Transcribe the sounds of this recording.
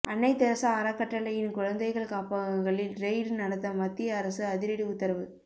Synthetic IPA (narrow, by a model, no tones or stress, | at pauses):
ʔɐɳːɐɪt̪ːɐɾɐsaːɾɐkːɐʈːɐlɐjɪnkʊɻɐnd̪ɐɪɣɐɭkaːpaɐŋɡɐɭɪlɾeɪɾnɐɽɐt̪ːɐmɐt̪ːɪjɐːɾɐsɯɐðɪɾɐɽiʊt̪ːɐɾɐʋɯ